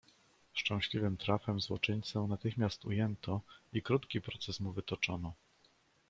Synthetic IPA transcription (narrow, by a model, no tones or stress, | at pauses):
ʂt͡ʂɛ̃w̃ɕlʲivɘmt̪ɾafɛmzwɔt͡ʂɘɲt̪sɛnat̪ɘxmʲjast̪ujɛnt̪ʰɔikɾut̪kʲipɾɔt̪sɛsmuvɘt̪ɔt͡ʂɔnɔ